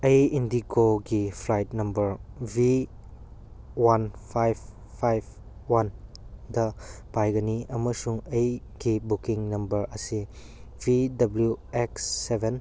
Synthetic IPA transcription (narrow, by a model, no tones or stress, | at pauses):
ɐjindikʰoɡipʰlajtnɐmbɐɾbʱi | wanpʰajb̚ | pʰajb̚ | wandɐpajɡɐniɐməsuŋɐjɡibukiŋnɐmbɐɾɐsi | bʱidɐbljueksːebʱen